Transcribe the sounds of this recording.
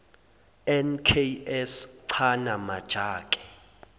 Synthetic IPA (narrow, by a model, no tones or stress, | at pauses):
ɛnkʰeɛsǀʰanamad̥ʒ̥ʱaːkʼɛ̥